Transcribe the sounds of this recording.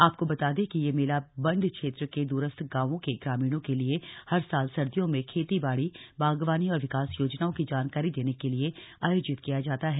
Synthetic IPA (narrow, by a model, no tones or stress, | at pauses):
aːp̚kobɐt̪aːd̪ẽkijemeːlabɐ̃ɳɖkʃeːt̪ɾked̪uːɾəst̪ʰɡãːʋõkeɡɾaːmiːɽ̃õkeliehɐɾsaːlsɐɾd̪ijõmẽkʰeːt̪ibaːɽibaːɡʋaːniɔːɾʋɪkaːsjoːd͡ʒnaõkid͡ʒaːnkaːɾid̪eːnekelieaːjoːd͡ʒɪt̪kijad͡ʒaːt̪aɦɛː